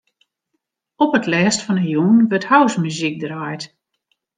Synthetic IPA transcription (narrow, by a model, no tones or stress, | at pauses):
ɔpətlɛːstfɔnəjunʋøthawsmyzik̚draːjt